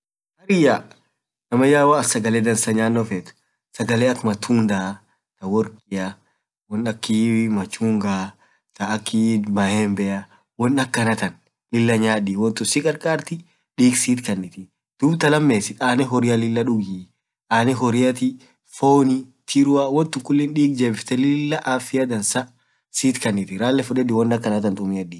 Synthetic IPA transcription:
ɐɾɪja | nɐmɐjaːwɐɐsɐɡɐleːd̪ɐnsɐɲaːnːɔfeːt̪ʊ̥ | sɐɡɐleːɐkːmɐt̪ʰuːnd̪ɐ | t̪ɐwɔɾkʼɪjɐ | wɔnɐkːimɐt͡ʃːuːŋɡa | t̪ɐːkːɪmɐhɛːmbɛʔɐ | wɔnɐkːɐnɐt̪ɐn | lɪlːɐɲaːᶑiwɔnt̪ʊsɪkʼɐɾkʼaːɾt̪ɪ | ᶑiːksiːt̪kɐnːɪt̪ɪ | d̪̥ʊbt̪ɐlɐmːeːsɪt̪ʼaːnɛɦɔɾɪjɐlɪlːɐᶑʊɡi | aːnɛɦɔɾɪjɐt̪ɪ | foːnit̪ʰiɾʊɐwɔnt̪ʊŋkʊlːɪnɗiːk̚d͡ʒebɪft̪ɛlɪlːɐʔafɪjɐd̪ɐnsɐ | siːt̪kɐnːɪt̪ɪɾaːlːɛfʊᶑɛd̪ɪwɔndɐkːɐnɐt̪ɐnt̪ʼʊmɪɐᶑi

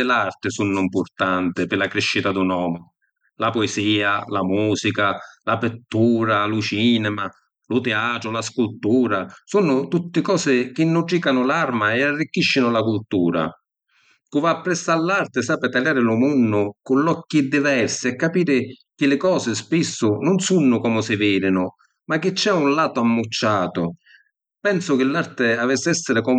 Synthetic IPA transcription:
ɪlart̪ɪsunːʊimpʊrt̪ant̪ɪpɪlakɾiʃːit̪ad̪unɔːmɪ | lapɔeziːalamuːsikalapɪt̪ːuːɾalʊt͡ʃiːnɛma | lʊt̪ɛaːt̪ɾʊlaskult̪uːɾasunʊt̪ut̪ːɪkɔːsɪk̟ɪnːuʈɾikanʊlarmaɛarːik̟ːiʃːɪnʊlakult̪uːɾa̰ | kuvaːpːɾɛstːalːart̪ɪsaːpɪt̪aljaːɾɪlʊmunːʊkʊnlɔkːid̪ivɛrsɪɛkːapiːɾɪk̟ɪlɪkɔːsɪspisːʊnʊnsunːʊkɔmʊsɪviːɾɪnʊ | mak̟ːɪt͡ʃːɛunlaːt̪ʊamːut͡ʃːaːt̪ʊ | pɛnsʊk̟ɪlːart̪ɪavɛsːɛsːɪɾɪkɔ

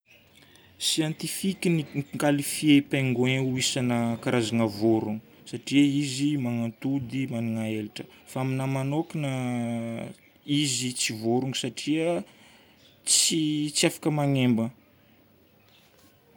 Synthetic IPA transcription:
siant̪ifikʲiniŋkalifiepeŋɡoeuisanəkaɾazanəvoɾuŋu | saʈ͡ʂiəizimaŋant̪ud̪imaniŋaeliʈ͡ʂə̥faaminamanokinə | izit͡sivoɾuŋsaʈ͡ʂiə | t͡sit͡siafḁkəmaŋembə

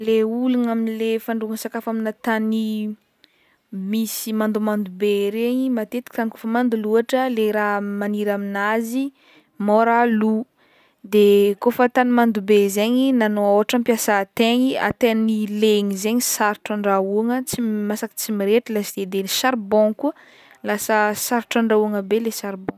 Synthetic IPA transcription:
leuluŋaminlefaɳɖ͡ʐuaŋsakafaminat̪ani | misimand̪umand̪ubeɾeɲimat̪et̪i̥k̪anikofəmand̪uluaʈ͡ʂəleɾamaniɾaminazi | moɾalu | d̪ekofət̪animand̪ubezeɲinanooɦaʈ͡ʂəmpjasat̪eɲia̰t̪ennileŋizeɲisaɾʈ͡ʂaɳɖ͡ʐauaŋət͡simasaki̥t͡simiɾeʈ͡ʂilasid̪ed̪enisaɾbõŋkuə | lasəsaɾʈ͡ʂaɳɖ͡ʐauaŋəbelesaɾbõŋ

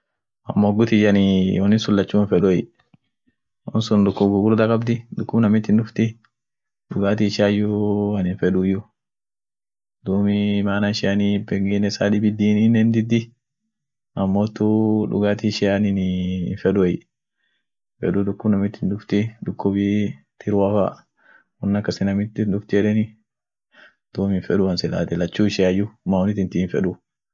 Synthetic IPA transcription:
ʔɐmːoːɡʊt̪ɪd͡ʒɐnɪɔnɪsʊlːɐt͡ʃːuːnfɛᶑʊɛj | ɔnsʊnd̪ʊkːʊbɡʊɡʊɾd̪ɐkʼɐbd̪ɪdʊkːʊbnɐmɪt̪ːɪndʊft̪ɪ | ᶑʊɡaːt̪̬iʃaːjʊɐnɪnfɛᶑujʊ | d̪̥uːmɪmaːnanʃɪanibɛŋɡinɛsaːdɪbɪd̪iːnɪnːɛnd̪ɪd̪ːɪ | ʔɐmːoːt̪ːuᶑʊ̰ɡaːt̪iʃɪaninːfɛᶑʊɛj | fɛ̰ᶑud̪ʊkːʊbnɐmɪt̪ːɪndʊft̪ɪd̪ʊkːʊbi | t̪ʰɪɾwafa | ɔnːɐkːɐsɪnɐmɪt̪ːɪndʊft̪ɪɛᶑɛnɪ | d̪̥uːmɪnfɛᶑʊɐnsɪla̰ːt̪ɛlɐt͡ʃːuːʃɪjajʊmawɔnɪt̪ːɪnt̪infɛ̰ᶑu

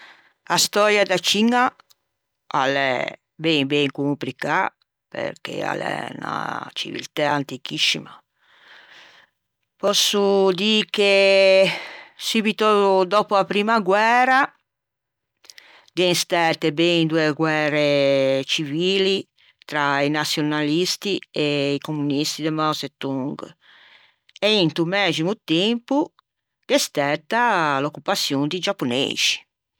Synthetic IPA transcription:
ast̪ɔɾjad̪at͡ʃiŋːa | alɛ̰ | bɛŋbɛŋkumplika | pḛɾkḛa̰lɛ̰na̰t͡ʃḭvḭlt̪aant̪ikisːima | pɔsːud̪iːke | suːbit̪od̪ɔpoapɾiːmaɡwɛːɾa | d̪ɛst̪ɛt̪ebend̪ueɡwɛːɾet͡ʃiviːli | t̪ɾainat̪sːjonalist̪ieikomunist̪id̪emaset̪ːuŋɡ | ɛint̪umɛːzimut̪empu | kest̪ɛt̪ːalokːupat̪sːjond̪id͡ʒapːonḛːz̥i̥

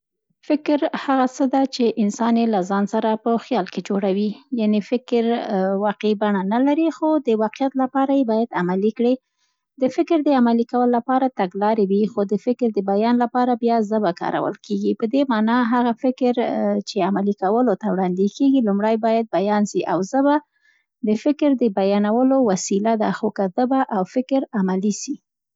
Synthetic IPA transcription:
fɪkɾhaɣat͡səd̪at͡ʃeʔɪnsɑnjelazɑnsaɾapəxjɑlked͡ʒoɽawijanefɪkɾwɑqebaɳanalaɾixod̪əwɑqijat̪lapɑɾajebɑjad̪amalikɽi | d̪əfɪkɾd̪əamalikawəllːapɑɾat̪aɡlɑɾewixod̪əfɪkɾd̪əbajɑnlapɑɾabjɑzəbakɑ̰ɾa̰wə̰lkʰeɡipəd̪emɑnɑɦaɣafɪkɾt͡ʃeamalikawəlot̪awɽɑnd̪ekeɡilumɽajbɑjad̪̚bajɑnʃiʔawzəba | d̪əfɪkɾd̪əbajɑnawəlowasilad̪axokazəbaʔawfɪkɾamaliʃi

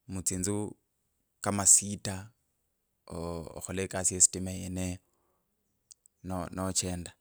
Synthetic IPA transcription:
mut͡siːnd͡zu | kamasita | xɔlekasiesi̥timaene | nonot͡ʃɛːnda

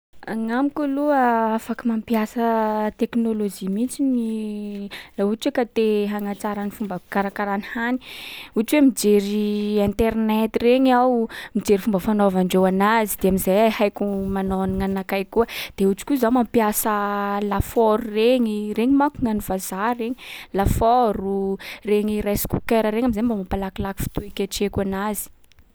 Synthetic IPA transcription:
aŋamikuluəafakimampiasət̪eknolod͡ʒimint͡sini | lauʈ͡ʂikat̪eɦaŋat͡saɾənifumbəkaɾakaɾanihani̥uʈ͡ʂiwemid͡ʒeɾiɛ̃nt̪ernɛt̪ireɲawmid͡ʒeɾifumbəfanovaɳɖ͡ʐewanazid̪eamizajhajkumanoniŋanakajkuəd̪̥eut͡ʃi̥kuzamampjasəlafɔɾureɲireɲimakuŋanuvazareɲilafɔɾureɲirajskṵkeɾəɾeŋamizajmbamapalakilaki̥fi̥t̪uekʲaʈ͡ʂekanazi̥

